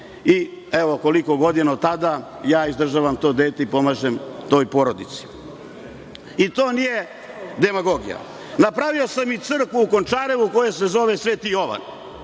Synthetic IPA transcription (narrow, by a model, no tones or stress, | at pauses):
ieʋoko̞liko̞ɡo̞d̪inaot̪ːad̪a | jaːizd̪r̩ʒaːʋamt̪o̞ːd̪eːt̪eipo̞maːʒemt̪o̞ːjpo̞ɾod̪it̪si̥ | it̪o̞ːnije̞ | d̪e̞maɡo̞ɡija̰ | napɾaʋio̞samit̪sr̩kʋuukont͡ʃaːɾe̞ʋuko̞jese̞zo̞ʋesʋeːt̪ijo̞ʋa̰n